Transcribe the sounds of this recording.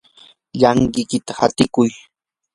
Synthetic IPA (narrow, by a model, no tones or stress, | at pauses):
ʎaŋɢɪkɪt̪ahat̪ɪkʊj